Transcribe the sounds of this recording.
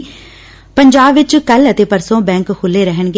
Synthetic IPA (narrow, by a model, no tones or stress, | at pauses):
pəɲd͡ʒaːbʋɪt͡ʃkələt̪eːpəɾsõːbɛ̃ːŋkkʰʊlːeːɾəɦəɳɡe